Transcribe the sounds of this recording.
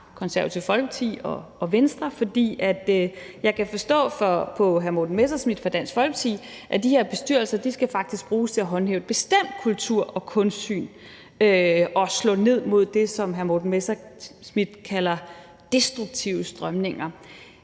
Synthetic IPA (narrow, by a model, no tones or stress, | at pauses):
kʰɒ̽nsæɐæt͡sʰiʊfɒ̽lɡ̥ət͡sʰḭːɒ̽ːʋensd̥ʁɐfɒ̽d̥ḭːæd̥ | jɑ̈ɪkʰæfɒ̽sd̥ɔ̰̽ːfɒpʰɒ̽ɦæɐmo̝d̥n̩mesɐsmid̥fʁɑ̈d̥æn̰sɡ̥fɒ̽lɡ̥ət͡sʰḭːʔæd̥iheɐ̰b̥e̝sd̥yɐ̰lsɐd̥isɡ̥æfɑ̈ɡ̥̚d̥isɡ̥̚b̥ʁuːst͡sʰe̝æɦɒ̽nheːʊb̥e̝sd̥em̰d̥̚kʰult͡sʰuɐ̰ɒ̽kʰɔ̽nsd̥sy̰ːn | øɒ̽slɔ̰̽ːne̝ð̞̰ˠmo̝ð̞̰ˠd̥e̝sɒ̽mɦæɐmo̝d̥n̩mesɐsmid̥kʰælɐ | d̥e̝sd̥ʁuɡ̥̚t͡sʰiʊ̰əsd̥ʁɶmne̝ŋɐ